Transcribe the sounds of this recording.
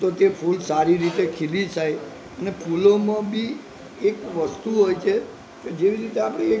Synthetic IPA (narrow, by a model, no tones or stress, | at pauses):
t̪ot̪epʰulsaɾiɾit̪ekʰilit͡ʃaj | ənepʰulomãbʱi | ekʋəst̪uɦojt͡ʃʰe | ked͡ʒeʋiɾit̪eapɽ̃e